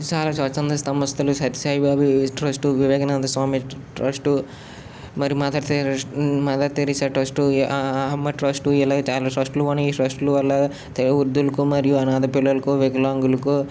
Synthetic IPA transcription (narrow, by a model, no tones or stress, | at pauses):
t͡ʃaːlaːsɐt͡ʃɐnd̪ɐst̪ɐmɐst̪ʰɐlusɐt̪i̥saːjibaːbʱiʈɾɐsʈuʋiʋɛːɡɐnaːd̪ɐsʋaːmiʈɾɐsʈu | mɐɾijumat̪aɾt̪emɐt̪aːɾt̪eɾisaːʈɾɐsʈuɦɐmːɐʈɾɐsʈuɛlaːɡɐt͡ʃaːlaːʈɾɐsʈluɐnɐiːɾɐsʈluʋɐlːɐ | t̪eɾɐuɾd̪ulɐkumɐɾijuɐnaːd̪ɐpilːɐlɐkuʋeɡlaːŋɡulɐku